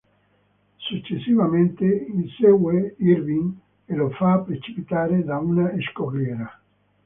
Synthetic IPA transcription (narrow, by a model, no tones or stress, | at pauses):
sut͡ʃːesivament̪einseɡweiɾbiŋ | elofapɾet͡ʃi̥pit̪aːɾed̪aunaeskorjɛːɾa